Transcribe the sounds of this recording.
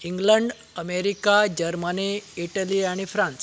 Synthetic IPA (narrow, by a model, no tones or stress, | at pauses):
iŋɡləɳɖ | əmeɾikad͡ʑəɾməneːʈəliaɽ̃ifɾãns